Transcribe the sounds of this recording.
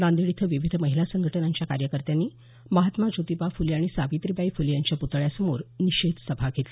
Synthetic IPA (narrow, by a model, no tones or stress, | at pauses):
nãnd̪iɭit̪ʰʋiʋid̪ʱəməɦilasəŋɡʱəʈənaɲt͡ɕjaka̰ɾjəkəɾt̪janːiː | məɦat̪mad͡ʑot̪ipafuliaɽ̃isaʋit̪ɾibaifulijaɲt͡ɕjaput̪ɭjasəmoɾniɕed̪səbʱaɡʱet̪li